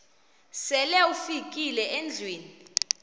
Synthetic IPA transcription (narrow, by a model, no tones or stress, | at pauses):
sɛlɛufikʼilɛɛnd͡ɮʱweːni